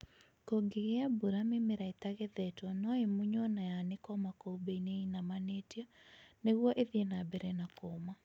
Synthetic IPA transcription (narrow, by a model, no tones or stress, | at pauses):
koɡeɣeabuɾamemeɾaetaɣeðɛtwɔnɔemuɲɔnajanekɔmakoubeineinamanetjɔneɣwɔʔeðienabɛɾɛnakoma